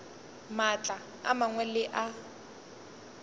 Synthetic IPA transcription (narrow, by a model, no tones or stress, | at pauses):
mat͡ɬʼa | a̰maŋwɛlɪʔa